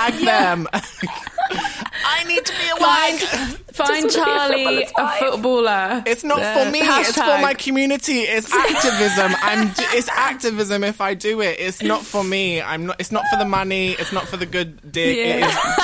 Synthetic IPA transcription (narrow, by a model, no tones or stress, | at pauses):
aɡðə̃m | ʔaɪnid̚tʰəbiəwãɪ̃ŋfãɪ̃nt͡ʃʰɑːliəfʊt̚b̥ɔːlˠəɪtsnətfəmiɪtfəmaɪkʰəmjʉːnɪtiɪtsak̚tɪvɪzə̃mãɪ̃md͡ʒɪtsak̚tɪvɪzə̃mɪfaɪdəɪtɪtsnətfəmiã̰ɪ̃mnəʔɪtsnətfəðəmʌniɪtsnətfəðəɡʊd̚ːɪɡez